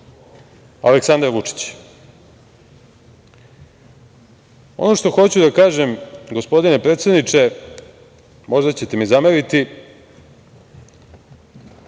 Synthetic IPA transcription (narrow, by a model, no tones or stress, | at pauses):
a̰leksand̪aɾʋut͡ʂi̥t͡ɕ | o̞̰noʃt̪o̞xo̞t͡ɕud̪akaːʒemɡo̞spo̞d̪ine̞pɾet̪sje̞d̪nit͡ʂe̞ | mo̞ʒd̪at͡ɕet̪emizameɾit̪i